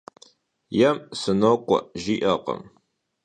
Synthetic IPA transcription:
jɐmsɨnokʷʼɔ̰ʒiːʔɐqə̰m

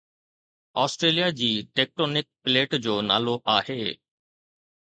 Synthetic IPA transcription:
ɔːsʈɾeːlijad͡ʑiːʈeːk̚ʈoːnɪk̚pɪleːʈd͡ʑoːna̰ːloʔaːheː

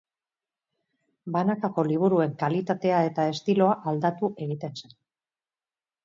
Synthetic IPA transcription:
banakako̞liβ̞uɾue̞ŋkalit̪at̪e̞ae̞t̪ae̞st̪ilo̞aʔald̪at̪uʔe̞ɣ̞it̪e̞nsen

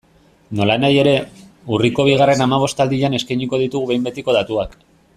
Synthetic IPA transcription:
no̞lanaje̞ɾe̞uriko̞β̞iɣ̞are̞namaβ̞o̞st̪ald̪iʎane̞skajɲiko̞ð̞it̪uɣuβe̞jmbe̞t̪iko̞ðat̪uak

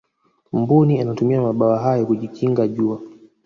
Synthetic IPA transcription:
m̩bunianatumiamaɓawaɦajɔkuʄikʰiŋɡaʄua

